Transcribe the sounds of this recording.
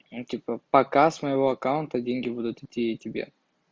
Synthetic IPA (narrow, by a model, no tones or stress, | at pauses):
tʲipəpɐkasməjɪvo̞ɐkaʊnt̪ədʲenʲɡʲɪbud̪ʊt̪ɪtʲːiɐtʲɪbʲḛ